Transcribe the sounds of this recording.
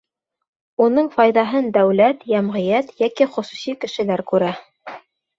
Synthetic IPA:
unɤɴfɑjðɑɦɤnd̪æwlæt̪jæmʁɘ̆jæt̪jækiχŏsusikɘ̆ʃɘ̆læɾkʉɾæ

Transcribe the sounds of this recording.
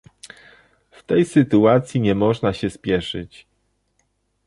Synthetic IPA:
ft̪ɛjsɘt̪uat̪sʲjiɲɛmɔʐnaɕɛspʲjɛʂɘ̰t͡ɕ

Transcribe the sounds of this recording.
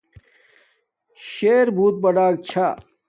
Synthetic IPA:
ɕeːɾbʱuːt̪̚bɐɖaːk̚t͡ɕʰa

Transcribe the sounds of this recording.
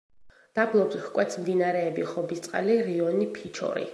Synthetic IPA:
d̪̥ablˠɔbshkʼwɛt̪smd̪inaɾɛːbiχɔbist̪sʼqʼa̰liɾiɔnipʰit͡ʃʰɔ̰ɾḭ

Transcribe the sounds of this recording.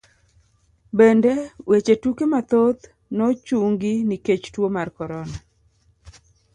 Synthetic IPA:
bendewet͡ʃetukemat̪ot̪ | nɔt͡ʃuŋɡiniket͡ʃtwomarkɔɾɔna

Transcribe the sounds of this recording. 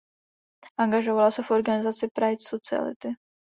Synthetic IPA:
ʔaŋɡaʒovalasɛfʔo̞ɾɡanɪzat͡sɪpɾajt͡ssot͡sɪa̰lɪ̰t̪ɪ

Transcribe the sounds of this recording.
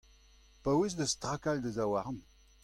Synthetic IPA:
pawes̬d̪əst̪ʁakald̪əzawaʁn

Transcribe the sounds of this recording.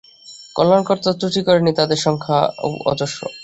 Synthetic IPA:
kɔ̰lːankɔɾt̪at̪ɾuʈikɔɾenit̪ad̪eɾʃɔŋkʰao̰wɔ̰d̪oʃo̰

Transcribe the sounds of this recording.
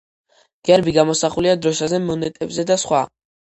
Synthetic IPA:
ɡ̥ɛɾbiɡamɔsaχuliad̪ɾɔsazɛmɔnɛt̪ʼɛbzɛd̪asχwa

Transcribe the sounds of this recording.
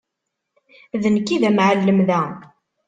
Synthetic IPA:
ðənkːiðæmʕəlːəmðæ

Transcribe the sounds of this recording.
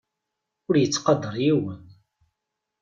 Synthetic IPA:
ʊɾjət͡sːqɑd̪ˤːəɾˤjiwən

